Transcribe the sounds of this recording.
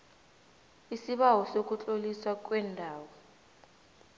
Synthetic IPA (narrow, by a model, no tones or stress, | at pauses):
isiɓawɔsok̬ʼut͡ɬʼoliswak̬wɛndʱaːwɔ